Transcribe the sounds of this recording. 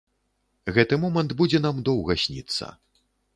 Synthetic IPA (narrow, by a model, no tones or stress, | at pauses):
ɣɛt̪ɨmɔmɐnd̪bud͡zʲɛn̪amd̪ɔwɣɐsʲnʲḭt̪sːɐ̰